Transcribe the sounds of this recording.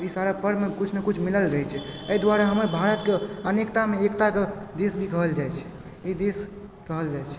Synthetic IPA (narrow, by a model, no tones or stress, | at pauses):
isaɾapəɾmekut͡ʃʰmekut͡ʃʰmiləlɾəɦɛt͡ʃʰɛəid̪waɾaɦəməɾbʱaɾət̪keənekt̪ameekt̪aked̪esbʱikəɦəld͡ʒaɛt͡ʃʰɛ̥ | id̪es | kəɦəld͡ʒat͡ʃʰɛ̥